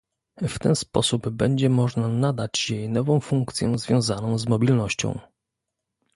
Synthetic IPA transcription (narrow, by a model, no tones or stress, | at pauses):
ft̪ɛnspɔ̰subbɛɲd͡ʑɛmɔʐnanad̪at͡ɕjɛjnɔvɔ̃w̃fuŋkt̪sʲjɔ̰̃zvʲjɔ̃w̃zanɔ̃w̃zmɔbʲilnɔɕt͡ɕɔ̰̃w̃